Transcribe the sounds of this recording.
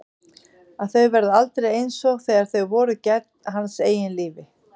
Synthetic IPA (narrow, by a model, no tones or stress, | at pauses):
aðθœɥɣvɛɾðʏalt̪ɾejejnsɔɣθɛːɣaɾ̥θœɥɣvɔːɾʏcɛt̪n̥ɦanseːjɪnliːvɪ